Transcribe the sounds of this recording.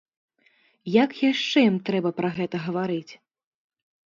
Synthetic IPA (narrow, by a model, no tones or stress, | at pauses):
jakjaʂt͡ʂɛjimt̪ɾɛbɐpɾɐɣɛt̪ɐɣɐvaɾɨt͡sʲ